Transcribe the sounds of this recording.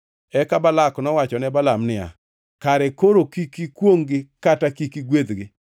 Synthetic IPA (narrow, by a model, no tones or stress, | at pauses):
ɛkabalaknɔwat͡ʃɔnɛbalamnɪa̰ | kaɾɛkoɾokikikwoŋɡɪkatakikiɡwed̪ɡɪ